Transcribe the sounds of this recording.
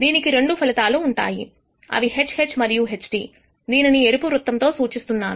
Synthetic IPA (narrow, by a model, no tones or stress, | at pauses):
d̪iːnikiɾe̞ɳɖupʰɐlɐt̪aːluːɳʈa̰ːjḭ | ɐ̰ʋiɦe̞t͡ʃhe̞t͡ʃmɐɾijuɦe̞t͡ʃʈiː | d̪iːninieɾupuɾut̪ːɐnt̪o̞ːsuːt͡ʃist̪unːaːnu